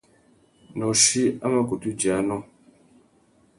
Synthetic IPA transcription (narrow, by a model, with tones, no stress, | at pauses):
nɔ˨ʃi˦a˦ma˦ku˨tu˦d͡ʒi˨a˨˦nɔ˦